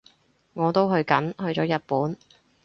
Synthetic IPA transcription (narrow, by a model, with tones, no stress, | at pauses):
ŋɔː˨˧t̪o˥wɦɵ˧ɥkɐ̰˨˥nhɵ˧ɥt͡ʃɔː˨˥jɐ˨t̚puː˨˥n